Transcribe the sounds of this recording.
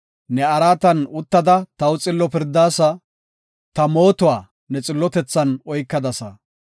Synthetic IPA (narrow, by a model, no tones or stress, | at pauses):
nɛɐɾaːt̪ɐnʊt̪ːɐd̪ɐt̪ɐwʊt͡sʼɪlːɔpɪɾd̪aːsɐ | t̪ɐmo̞ːt̪ʊwaː | nɛt͡sʼɪlːɔt̪ɛt͡sːɐnɔjkːɐd̪ɐsɐ